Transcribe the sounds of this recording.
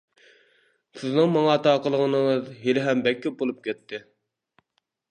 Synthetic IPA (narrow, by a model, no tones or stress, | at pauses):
sɪznɨŋmɑŋɑt̪ʰɑːqəlˠəʁənɨŋəzɦelɪɦɛmbɛkʲʰːɛbolˠup̚kʲʰɛt̪ʰːɪ